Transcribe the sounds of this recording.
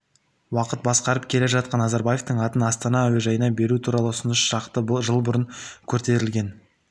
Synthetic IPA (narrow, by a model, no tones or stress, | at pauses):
wɑqət̪̚bɑsqɑɾəp̚kʲʰe̞le̞ʒɑt̪̚qɑnːɑzɑɾbaje̞ft̪əɴɑt̪ənɑst̪ɑnɑæweʒɑjənɑbe̞ɾut̪ʰuɾɑlˠəʊsʊnəʃʃɑqt̪əʒəlˠbʊɾəŋkʲʰɵɾt̪e̞ɾɪlɡʲe̞n